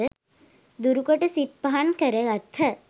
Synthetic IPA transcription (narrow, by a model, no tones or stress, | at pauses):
ə | d̪uɾukoʈəsit̪̚pɐɦankəɾəɡɐt̪ʰːɐ